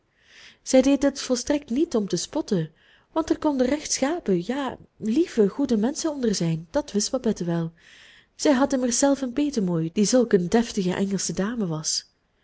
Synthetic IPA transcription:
z̥ɛjdejdəətfɔlˠstrɛk̚tnitɔmtəspɔtə | ʋɑntɛrkɔndərɛxtsxaːpəjaːlivəɣudəmɛnsənɔndərzɛjnd̥ɑtʋɪstb̥ɑbɛtəʋɛlˠ | z̥ɛjɦɑdənarzɛlˠfənpeːtəmoːjd̥izɵlˠkəndɛftəɣəʔɛŋəlˠsədaːməʋɑs

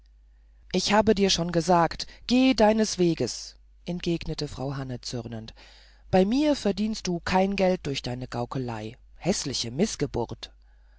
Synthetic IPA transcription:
ʔɪçhaːbədiːɐʃoːnɡəzaːktɡ̥eːdaɪnəsv̥eːɡəs | ʔɛnt̚ɡ̥eːɡnətəfʁ̥aʊɦanət͡sʏʁnənt | b̥aɪmiːɐfɛɐdiːnst̚d̥uːkʰaɪnɡɛlt̚d̥ʊɐçd̥aɪnəɡ̥aʊkʰəla̰ɪ | hɛslɪçəmɪsɡ̥əbʊ̰ɐt

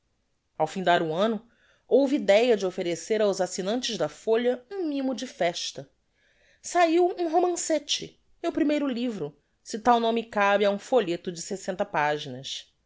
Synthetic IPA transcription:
awfĩd̪aɾuɐ̃nʊ | owviːd̪ɛjɐd͡ʒɪofeɾeseɾawzasinɐ̃nt͡ʃɪʒd̪ɐfoʎɐũmĩmʊd͡ʒɪfɛʃt̪ɐ | saiwũɦomɐ̃set͡ʃɪ̰ | mewpɾimejɾʊlivɾʊ | sɪt̪awnõmɪkabɪaũfoʎet̪ʊd͡ʒɪsesẽnt̪ɐpaʒinɐs

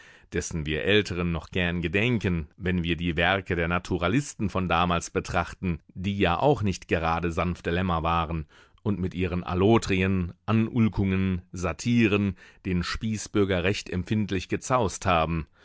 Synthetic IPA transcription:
d̥ɛsn̩viːɐʔɛltʰəʁ̞ənːɔχɡ̥ɛɐnɡədɛŋkənvɛnviːɐdiːvɛɐkədeːɐnatʰuʁalɪstn̩fɔndaːmaːlsb̥ətʁ̥aχtn̩diːjaːʔa̰ʊxnɪçtɡ̥əʁaːdəzanft̚d̥əlɛmɐvaːʁən | ʔʊntmɪtʔiːʁ̞ənʔa̰loːtʁ̥iənʔanʔʊlkʊŋənzatʰiːʁənd̥eːnʃpiːsb̥ʏɐɡɐʁɛçtɛmpfɪntlɪçɡ̥ət͡saʊsthaːbm̩

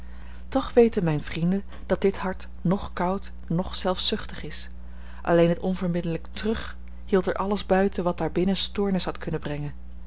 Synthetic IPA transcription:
tɔχʋejtənmɛjnvrindən | d̥ɑt̚dɪtɦɑɹt | nɔχkʌwt | nɔχsɛlˠfsʏχtəχɪs | ʔɑ̰lejnɦətɔnvəɹmɪdələktrɵχ | hilˠtɛɹʔɑləzbœɥtəʋɑt̚d̥aːɹbɪnənstʊːɹnəsɦɑtkʰɵnəbrɛŋən

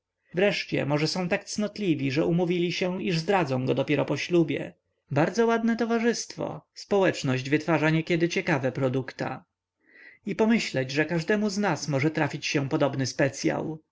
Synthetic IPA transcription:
vɾɛʂt͡ɕɛ̰mɔʐɛsɔ̃w̃t̪ak̚t̪snɔt̪lʲivʲiʐɛʔumuvʲilʲiɕɛiʐzd̪ɾad̪zɔ̃w̃ɡɔd̪ɔpʲjɛɾɔpɔɕlubʲjɛ̰ | baɾd̪zɔwad̪nɛt̪ɔvaʐɘst̪fɔ̰spɔwɛt͡ʂnɔʑd͡ʑvɘt̪faʐaɲɛkʲjɛd̪ɘt͡ɕɛkavɛpɾɔd̪ukt̪a̰ | ipɔmɘɕlɛd͡ʑʐɛkaʐd̪ɛmuznasmɔʐɛt̪ɾafʲit͡ɕɕɛpɔd̪ɔbnɘspɛt̪sʲja̰w

